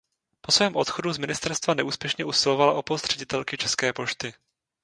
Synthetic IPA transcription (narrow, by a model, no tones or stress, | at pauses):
posvɛːmʔo̞t̪xoduzmɪnɪst̪ɛɾst̪vanɛʔuːspjɛʃɲɛʔusɪlovalaʔo̞post̪r̝ɛɟɪt̪ɛlkɪt͡ʃɛskɛːpo̞ʃt̪ɪ